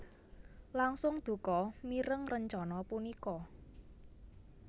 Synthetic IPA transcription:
laŋsʊŋd̪̥ṳkɔmiɾəŋrəɲt͡ʃɔnɔpunikɔ

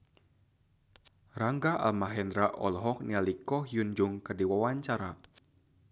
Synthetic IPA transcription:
raŋɡaʔa̰lmaɦɛndɾaʔɔ̰lɦɔk̚nialikɔɦjund͡ʒuŋkɨrdiwawaɲt͡ʃaɾa

